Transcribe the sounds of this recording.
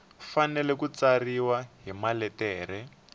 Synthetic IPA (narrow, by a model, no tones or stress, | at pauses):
fanɛlɛkut͡sariwaɦimalɛtɛːɾɛ